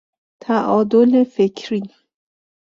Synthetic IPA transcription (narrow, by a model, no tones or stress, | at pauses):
t̪ʰæʔɒːd̪olefekʰɾi